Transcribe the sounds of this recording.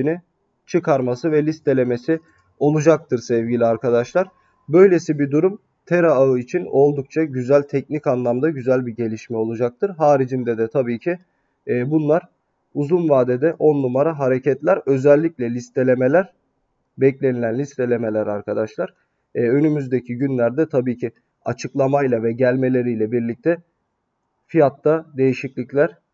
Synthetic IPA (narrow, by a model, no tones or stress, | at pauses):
ini | t͡ʃʰɯkʰaɾmasɯvɛlʲist̪ʰe̞lʲe̞me̞si | o̞lˠud͡ʒak̚t̪ʰɯɾsɛvɟilʲiaɾkʰad̪aʃlˠaɾ | bø̞jlʲe̞sibid̪uɾum | t̪ʰeɾaaɯit͡ʃʰino̞lˠd̪uk̚t͡ʃʰaɟyzælʲt̪ʰɛcnicanlˠamd̪aɟyzælʲbiɟe̞lʲiʃmɛo̞lˠud͡ʒak̚t̪ʰɯɾɦaːɾid͡ʒind̪ɛd̪ɛt̪ʰabiːcʰiː | bunlˠaɾ | uzunvaːd̪ed̪ɛʔo̞nːumaɾaɦaɾe̞cʰɛt̪lʲæɾø̞zɛlʲːiclʲɛlʲist̪ʰe̞lʲemelʲæɾ | bɛclʲe̞nilʲænlʲist̪ʰe̞lʲe̞me̞lʲæɾaɾkʰad̪aʃlˠaɾ̥ | ø̞nymyzd̪e̞cʰiɟynlʲæɾd̪ɛt̪ʰabiːcʰi | a̰t͡ʃʰɯklˠamajlˠavɛɟælʲme̞lʲe̞ɾijlʲɛbiɾlʲic̚t̪ʰɛ | fijat̪ːad̪e̞jiʃiclʲiclʲæɾ̥